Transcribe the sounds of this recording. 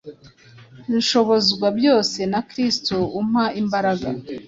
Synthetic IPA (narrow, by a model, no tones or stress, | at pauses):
iʃo̞βo̞zɡwabjo̞ːse̞nakɾistoumhaimbaɾaɡa̰